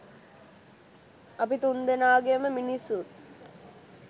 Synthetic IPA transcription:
ɐpit̪und̪enaːɡeməminisːut̪

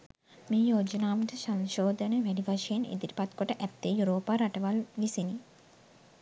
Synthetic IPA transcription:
miːjoːd͡ʒənaːʋəʈəsanʃoːd̪ənəʋæɖiʋaʃəjenḛd̪iɾi̥pat̪koʈəʔæt̪ːeːjuɾoːpaːɾaʈəʋalʋisini

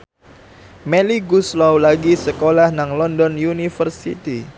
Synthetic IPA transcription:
meliɡuslɔwlaɡisəkolahnaŋlɔndɔnjunifərsḭt̪i

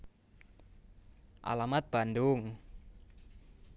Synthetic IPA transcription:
ʔa̰lamat̪̚b̥andʊŋ

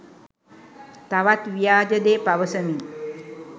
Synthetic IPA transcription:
t̪aʋat̪ʋijaːd͡ʒəd̪epaʋəsəmi

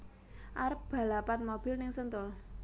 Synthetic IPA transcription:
ʔaɾəp̚b̥a̤lapanmob̥ɪlnɪŋsənt̪ʊl

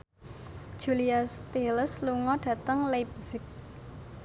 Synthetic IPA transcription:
d̥ʒ̥uliast̪iləsluŋɔɖ̥ä̤t̪əŋlap̚zɪk̚

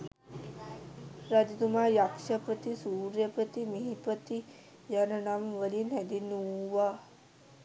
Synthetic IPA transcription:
ɾad͡ʒid̪umajakʂɐpət̪isuːɾjɐpət̪imiɦipət̪i | jɐnɐnamʋəlinɛd̪inuʋa

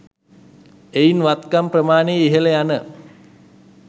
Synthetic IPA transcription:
einʋat̪kamprəmaːneiɦelejanə

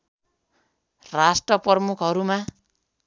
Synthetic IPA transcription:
rasʈrʌprmukʰʌɾuma

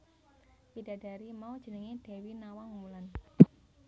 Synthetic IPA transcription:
pid̥ä̤d̥a̤ɾimaud̥ʒ̥ənəŋeɖ̥e̤winawaŋulan

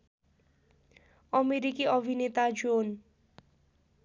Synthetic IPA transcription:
ɔmeɾikiɔvinet̪ad͡ʒon

